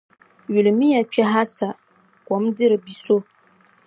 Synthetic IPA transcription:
ju˨lɨ˨mi˦ja˨t͡ʃɛ˦ɦa˦sa˨ | kɔ˨˦mdɪ˦ɾɨ˨bi˦so˦

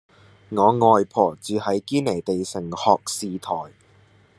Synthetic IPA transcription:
ŋɔː˨˧ŋɔː˨jpʰɔː˨˩t͡syː˨hɐ˨˥jkiː˥nle˨˩jt̪e˨jsɪ˨˩ŋhɔː˨k̚siː˨t̪ʰɔː˨˩j

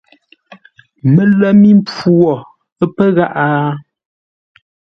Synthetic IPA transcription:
mə˨lə˦mi˦m˦p͡fu˦ɔ˨ | ə˦pə˦ɣa˦ʔaː˦

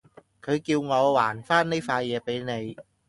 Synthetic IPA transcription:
kʰɤː˨˧jki˧wŋɔ˧wwaː˩˦nfaː˥˩nːa˥˩jfaː˧jjɛː˧pa˧jna˨˦j

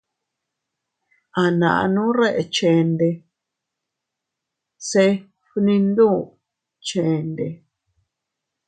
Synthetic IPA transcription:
a˨nã̰˨ʔa̰˧nũ˦ɾe˦ʔe˨t͡ʃẽ˨nd̪e˧ | se˧ | ɸnĩ˧nd̪ũ˦ | t͡ʃẽ˨nd̪e˧

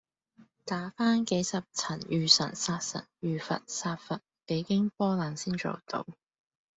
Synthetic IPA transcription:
t̪aː˨˥faː˥nke˨˥jsɐ˨p̚t͡sʰɐ˨˩njyː˨sɐ̰˨˩nsaː˧t̚sɐ̰˨˩njyː˨fɐ̰˨t̚saː˧t̚fɐ˨t̚pe˨˧˥jkɪ˥ŋpɔː˥laː˨˥nsiː˥nt͡so̰˨wt̪o̰˨˧˥w

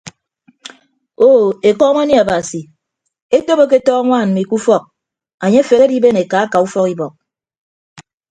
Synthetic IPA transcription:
o˦e˨kɔː˦mo˦ni˦a˨ba˨si˨ | e˦to˦bo˦k̬e˦tɔː˦a˦ŋʷaː˦˨n̩˨mi˨ku˦fɔ˦˨k̚ | a˨ɲe˦fe˨ɣe˦di˦be˦ne˨ka˨˦a˦ka˨u˦fɔ˦ki˦bɔ˨k̚

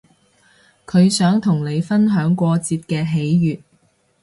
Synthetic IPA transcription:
kʰɵ˨˧ɥsœː˨˥ŋt̪ʰʊ˨˩ŋne˨˧jfɐ˥nɦœː˨˥ŋkʷɔː˧t͡siː˧t̚kɛː˧ɦe˨˥jjyː˨t̚

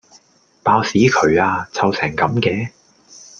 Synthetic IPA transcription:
paː˧wsiː˨˥kʰɵ˨˧ɥaː˧t͡sʰɐ˨˧wsɛː˨˩ŋkɐ˨˥mkɛː˧

